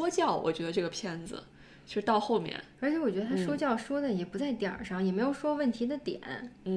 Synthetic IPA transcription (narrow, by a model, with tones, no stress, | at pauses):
ɔ˥t͡ɕjɑ˥˩ʊwʔɔ̰˨˩t͡ɕɥɛ˧˥d̪ə˧ʈ͡ʂɤ˥˩ɡə˩pʰjɛ˥nd͡zɹ̩̰˧ | t͡ɕt͡ɕjo˥˩ʊʂɻ̩˥t̪ɑ˥˧ʊxo˥˩ʊmjɛ̰˥˩nə˧˥t͡ɕʰɛ˧˥wɔ˨˩t͡ɕɥɛ˧˥ə˧t̪ʰa˥ʂwɔ˥t͡ɕjɑ˥˩ʊʂwɔ˥d̪ə˨jɛ˨˩pu˧˥t͡sa˥˩ɪt̪jɑ̰˨˩˦ʂɑ˥˩ŋjɛ˨˩me˧˥ɪjo˨˩ʊʂwɔ˥wə˥˩nt̪ʰi˧˥d̪ə˧t̪jɛ̰˨˩˦nn̩˧